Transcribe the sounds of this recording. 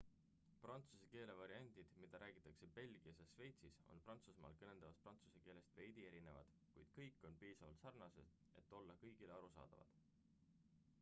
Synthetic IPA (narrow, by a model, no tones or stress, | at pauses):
prɑnt̪suseke̞ːle̞vɑɾiɑnʲd̪̥id̪̥mid̪̥ɑɾʔæːɡ̥it̪ːˑɑkse̞pe̞lʲɡ̥iɑsjɑʃve̞jt̪siso̞̰nprɑnt̪susmɑ̰ːlkɤne̞nd̪̥ɑvɑsprɑnt̪su̥seke̞ːle̞st̪ve̞jd̪̥ie̞ɾine̞vɑ̰d̪̥ | kujd̪̥kɤjkːˑo̞npiːsɑvɑlt̪sɑrnɑsed̪̥ | e̞̰t̪ːˑo̞lːɑkɤjɡ̥ileɑɾusɑ̰ːd̪̥ɑ̰vɑ̰d̪̥